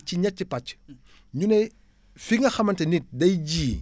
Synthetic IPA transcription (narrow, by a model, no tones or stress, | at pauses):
ciɲɐt̚t͡ʃːipɐt͡ʃ | ɲunɛj | fiŋɡɐxɐmɐntɛnit̚dɐjɟiː